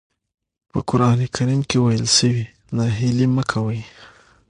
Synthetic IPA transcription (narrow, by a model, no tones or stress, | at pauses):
pəkʊɾɑnekʰaɾimkewajəlsəwi | naɦiliməkʰawəj